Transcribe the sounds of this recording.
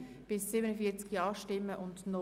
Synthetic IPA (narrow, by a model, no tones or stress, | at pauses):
b̥ɪsːiːbənənfiːɐt͡skjɑːʃtɪmːəʔʊndnɔ